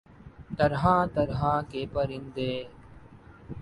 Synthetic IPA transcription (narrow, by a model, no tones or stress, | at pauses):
t̪əɾɦãːt̪əɾɦãːkeːpəɾɪ̃nd̪eː